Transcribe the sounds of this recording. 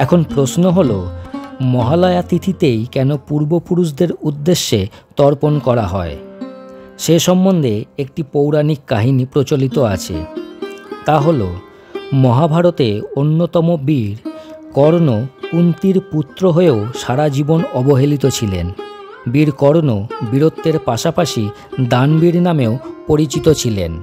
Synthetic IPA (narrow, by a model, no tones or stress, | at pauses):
ɛkʰonpɾosnoɦolomɔɦalɔeat̪it̪ʰit̪ejkɛnopuɾbopuɾuʃ̬d̪eɾud̪ːeʃːet̪ɔɾponkɔɾaɦɔe | ʃeʃɔmːond̪ʱeek̚ʈipowɾanikːaɦinipɾot͡ɕolit̪oat͡ɕʰḛ | t̪aɦolo | mɔɦabʱaɾot̪eonːot̪ɔmobiɾkɔɾnokunt̪iɾput̪ːɾoɦoeoʃaɾad͡ʑibonɔboɦelit̪ot͡ɕʰilḛn | biɾkɔɾonobiɾot̪ːeɾpaʃapaʃi | d̪anbiɾnameopoɾit͡ɕit̪ot͡ɕʰilḛn